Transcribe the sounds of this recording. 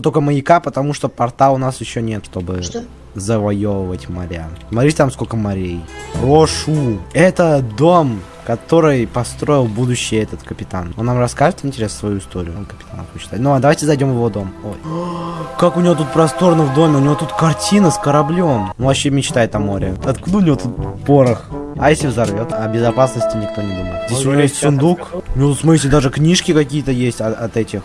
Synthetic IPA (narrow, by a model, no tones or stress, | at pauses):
t̪okəməjɪkapət̪ɐmuʂt̪opɐrt̪aʊnasjɪɕːonʲet̪ʂt̪o̞bɨ | zəvɐjovəvətʲmɐɾʲa̰smɐt̪ɾʲit̪ʲt̪amskolʲkəmɐɾʲejoʂuɛt̪əd̪o̞m | kɐt̪o̞ɾɨjpɐst̪ɾo̞ɪlˠbud̪ʊɕːɪjəɛt̪ət̪kəpʲɪt̪a̰no̞nːamrɐskaʐɨt̪ɪnʲtʲɪɾʲe̞snəsvɐjuɪst̪o̞ɾʲɪjʊkəpʲɪt̪anəfɪt͡ɕt̪a̰t̪ʲnoad̪ɐvajtʲɪzɐjdʲo̞mvəvod̪o̞moj | kakʊnʲɪvo̞t̪ut̪̚pɾɐst̪o̞ɾənəvd̪o̞mʲɪʊnʲɪvo̞t̪ut̪kɐrtʲinəskəɾɐblʲo̞mnuvɐɕːemʲɪt͡ɕt̪ajɪt̪ɐmo̞ɾʲɪ̰ɐt̪kud̪əʊnʲɪvot̪ut̪̚poɾəxɐjesʲlʲɪvzɐrvʲo̞t̪ɐbʲɪzɐpasnəsʲtʲɪnʲɪk̚t̪o̞nʲɪd̪uməjɪt̪zʲdʲesʲʊnʲɪvojesʲtʲsʊnd̪ukʊnʲɪvout̪smɨsʲlʲɪd̪aʐɨknʲiʂkʲɪkɐkʲijət̪əjesʲtʲɐɐt̪ɛtʲɪx